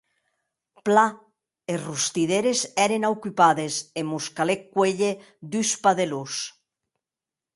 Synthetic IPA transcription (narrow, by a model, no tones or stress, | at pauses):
pla | erust̪iðeɾezɛɾenawkypaðesemuskalekːweʎe | d̪yspaðelus